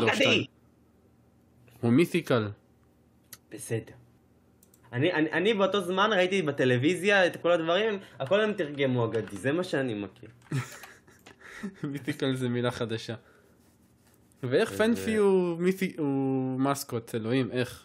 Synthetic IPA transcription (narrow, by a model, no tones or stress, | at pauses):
load̪ | humiθikal | b̥ese̞deʁ | aniʔanʔanibeo̞t̪o̞zmanʁait̪ibet̪e̞le̞vizjaet̪akolad̪vaʁimako̞lemt̪iʁɡemuaɡad̪izemaʃeanimakiʁ | miθikalzemilaχad̪aʃa | vee̞χfenfiumiθiumaskott͡selo̞ime̞χ